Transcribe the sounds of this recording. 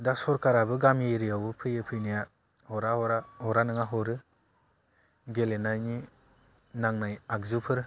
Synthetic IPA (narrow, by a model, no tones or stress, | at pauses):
dasɔɾkaɾabɯɡameɾijawbɯpʰɯjɯpʰɯjnija | hɔɾaɾaɔɾanɯŋaɦɔɾɯ | ɡelenajni | naŋnajak̚zupʰɯɾ